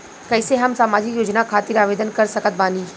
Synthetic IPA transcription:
kɛːseɦɐmsaːmaːd͡ʒɪkjoːd͡ʒnakʰaːt̪ɪɾaːʋeːd̪ənkɐɾsɐkət̪̚baːniː

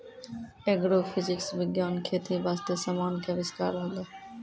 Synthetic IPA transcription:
eːɡɽoːfʰɪzɪksʋɪɡjaːnkʰeːt̪iʋaːst̪esaːmaːnkʰeːʋɪska̰ːɾɦoːlaː

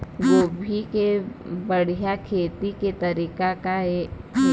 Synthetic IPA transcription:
ʋoːbʱikebɐɽ̤ijakʰeːt̪iket̪ɐɾiːkakae

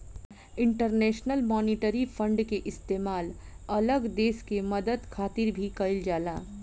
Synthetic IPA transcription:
ɪ̃ɳʈəɾnɛːʃnəlmɔːniʈəɾifʰə̃ɳɖkeʔɪst̪eːmaːlɐləɡd̪eːskemɐd̪əd̪kʰaːt̪ɪɾbʱikɐɪld͡ʒaːlaː

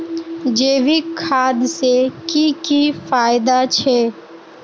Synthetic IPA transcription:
d͡ʒeːʋikʰːaːd̪sekikifaːjɪd̪at͡ʃʰɛ

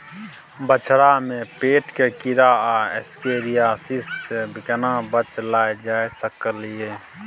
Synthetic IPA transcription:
bət͡ʃʰɾamẽpeːʈkekɪɾaːaɛ̰skeːɾijaːsisebʱɪkənabət͡ʃlaːed͡ʒaːesəkəlieː

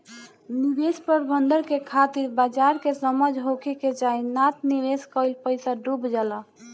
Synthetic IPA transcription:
nibespəɾbənd̪əɾkekʰat̪iɾbad͡ʒaɾkesəməd͡ʒʱɦokʰeked͡ʒainat̪niʋeskəjlpəjsaɖubd͡ʒala

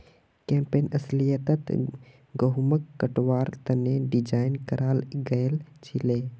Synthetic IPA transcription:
kẽːmpeːnɐslijət̪ət̪ | ɡəɦməkːəʈwaːɾt̪ɐneɖid͡ʒaːɪnkɐɾaːlɡɐelt͡ʃʰileː

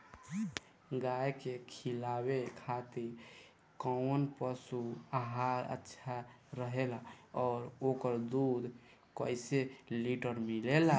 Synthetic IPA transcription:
ɡajkekʰilawekʰat̪iɾ | kɔwnpəsuaɦaɾə̰tːʃʰa | ɾəɦelaɔːɾokəɾd̪ud̪ʱ | kəɪseliʈəɾmilela

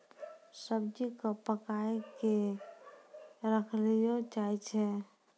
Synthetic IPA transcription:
səbd͡ʒikəpəkaeke | ɾəkʰlijot͡ʃajt͡ʃʰɛ

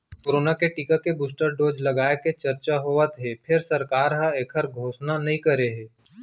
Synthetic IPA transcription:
koːɾoːnakeʈikəkebuːsʈəɾɖoːd͡ʒlɐɡaːeket͡ʃɐɾt͡ʃaɦoːʋət̪ɦepʰɪɾsɐɾkaːɾɦãeːkʰəɾɡʱoːsnanɐɦĩkɐɾeɦɛː

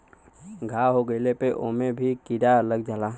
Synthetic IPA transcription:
ɡʱaːɦoɡəɪlepeʔoːmẽbʱikiɾaələɡd͡ʒaːlaː

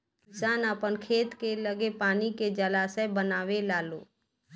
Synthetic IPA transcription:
saːnəpənkʰeːt̪keləɡepaːniked͡ʒəlaːsəbənaːwelaːloː

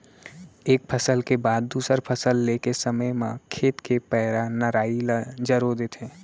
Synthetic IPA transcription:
eːk̚pʰəsəlkebaːd̪ːuːsəɾpʰəsəlːeːkesəməjmãkʰeːt̪kʰepɛːɾanəɾaːid͡ʒəɾod̪eːt̪ʰẽː

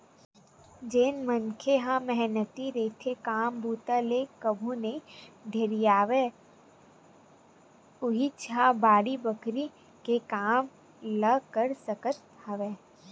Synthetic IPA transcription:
d͡ʒeːnmənkʰeɦãmɛɦnət̪iɾeːt̪ʰekaːmbuːt̪alekəbʱuned̪ʱeɾijaːʋe | ʊɦit͡ʃʰabaːɽibəkɾi | kekaːm | ləkəɾsəkəɾt̪aːʋeː

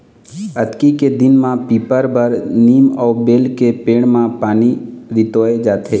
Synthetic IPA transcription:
ət̪kiked̪ɪnmãpiːpəɾbəɾniːmɔːbeːlkepeːɽ̃mãpaːniɾɪt̪oːed͡ʒaːt̪ʰeː

